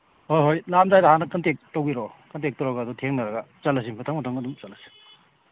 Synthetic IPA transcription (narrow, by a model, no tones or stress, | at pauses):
hojɦojlamzajdɐɦanɐkɐntek̚towiɾɔkɐntek̚tawɾaɡɐːdɔtʰeŋnɐɾɐɡɐt͡ʃɐlɐs̬inpʰatʰɐŋmɐtʰaŋɐdumt͡ʃɐlɐsi̥n